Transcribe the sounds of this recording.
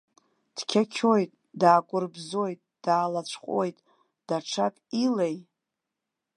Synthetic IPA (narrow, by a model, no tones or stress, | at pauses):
d̥kʲʰakʲʰo̞jtʼ | daːkʷʼʊrbzojtʼd̥aːlat͡ɕʷʰqʷʼojtʼ | d̥aʈ͡ʂʰakʼilej